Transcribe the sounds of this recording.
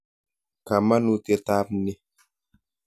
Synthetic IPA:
ka˨ma˦nu˦te˧ta˦p̚ni˦

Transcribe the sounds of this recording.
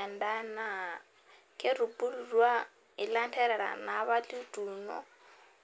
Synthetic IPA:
ɛ˨nda˦na˦˨ | kʰʼe˦ru˨pʼu˦lu˨rwa˦ | i˨la˦ntʰɛ˦ɾɛ˨ɺa̰˨na˨βa˦li˦tʼuː˨nɔ̰˦

